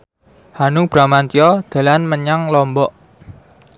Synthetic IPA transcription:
hanʊŋb̥ɾamant̪iɔd̪̥a̤lanməɲaŋlɔmbɔʔ

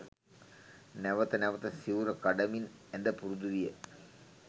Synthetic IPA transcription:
nɛʋɐt̪ːɐnɛʋɐt̪ːɐsiʋɾɐkɐɽɐmin | ɛnd̪ɐpuɾuðuʋijɐ

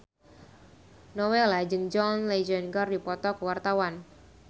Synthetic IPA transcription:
nowɛlad͡ʒɨŋd͡ʒɔnled͡ʒɔnɡɔrdipɔt̪ɔkəwart̪awan

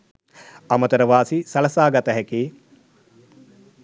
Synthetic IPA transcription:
ɐmət̪əɾəʋaːsisɐlɐsaːɡɐt̪əɦækiː

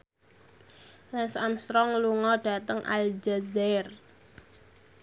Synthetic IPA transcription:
lasamsɾɔŋluŋɔɖ̥a̤t̪əŋʔa̰ld͡ʒazɛr

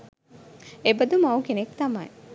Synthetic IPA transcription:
ebɐd̪umɐwkenekt̪ɐmɐj

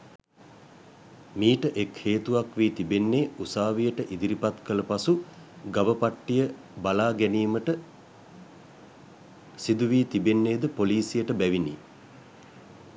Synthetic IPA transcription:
miːʈəʔekheːt̪uʋakʋiːt̪ibenːeːusaːʋijəʈəʔid̪iɾipat̪kələpasu | ɡaʋəpaʈːijə | balaːɡɛniːməʈə | sid̪uʋiːt̪ibenːeːd̪əpoliːsijəʈəbæʋinḭː

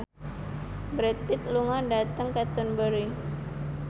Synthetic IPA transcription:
bɾɛt̪̚pɪt̪̚luŋadat̪əŋkat̪ɔnbəɾi

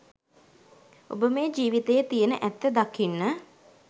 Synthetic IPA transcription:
o̰bəmeːd͡ʒiːʋit̪ejət̪ijənəʔæt̪ːəd̪akʰːinːə

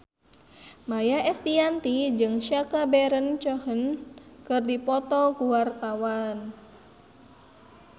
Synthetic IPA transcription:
majaʔɛst̪iant̪id͡ʒɨŋʃakabɛɾənt͡ʃɔhənkɨrdipɔt̪ɔkuwart̪awan

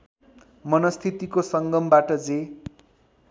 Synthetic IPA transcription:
mʌnʌst̪ʰit̪ikosʌŋɡʌmbaʈʌd͡ze

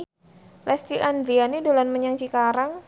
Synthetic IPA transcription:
lɛst̪ɾiʔand̪ɾianidolanməɲaŋt͡ʃikaɾaŋ

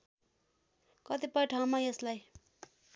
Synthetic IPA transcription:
kʌt̪ipʌjʈʰaw̃majeslaj

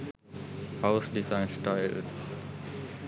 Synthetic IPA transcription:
haʊsdizãɪ̃nsʈaɪls

